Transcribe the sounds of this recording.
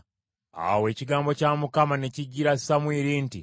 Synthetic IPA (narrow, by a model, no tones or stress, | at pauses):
a̰we̞ːciɡaːmbo̞caːmukamane̞ciɟːiɾasamwiːɾinti